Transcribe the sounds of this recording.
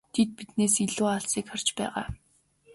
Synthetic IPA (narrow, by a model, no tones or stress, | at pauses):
t̪ʰet̪̚pit̪neːsiɮuːaɮsiːkχar̥t͡ɕpæ̰ːʁa̰ː